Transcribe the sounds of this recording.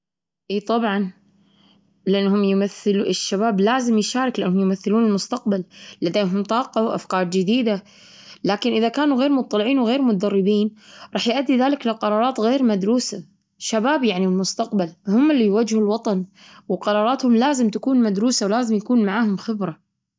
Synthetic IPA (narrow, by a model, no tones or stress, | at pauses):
ʔiːt̪ˤɑbʕɑn | lɪʔanːhʊmjmaθːɪlɪʃːabaːblaːzɪmjʃaːɾˤɑklɪʔanːhʊmjmaθːɪluːnɪlmʊst̪aq̚ballad̪eːɦʊmt̪ˤɑːqɑwʔa̰fkɑːɾˤd͡ʒɪd̪iːd̪a | laːkɪnʔɪðakaːnuɣeːɾmʊt̪ˤːɑlɪʕiːnwɣeːɾmʊt̪ad̪ɑrˤːɪbiːnɾˤɑːħjʔad̪ːiðaːlɪklɪqɑɾˤɑːɾˤɑːt̪ɣeːɾmad̪ɾuːsa | ʃabaːbjaʕnilmʊst̪aqbalhʊmːɪlːijwad͡ʒhulwɑt̪ˤɑn | wqɑɾˤɑːɾˤɑːt̪hʊmlaːzɪmt̪akuːnmad̪ɾuːsawlaːzɪmjakuːnmaʕaːhʊmxɪbɾa